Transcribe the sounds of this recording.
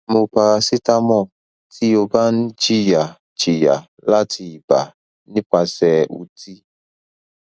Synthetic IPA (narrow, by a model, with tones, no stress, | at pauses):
mo˧pa˧ɾa˧si˦ta˦mɔ˦˨ | tʰi˦o˧ba˦n̩˦d͡ʒi˦ja˨ | t͡ʃi˨ja˨ | la˦tʰi˧˨i˨ba˨ | nĩ˦k͡pa˧sɛ˨ṵ˧ti˦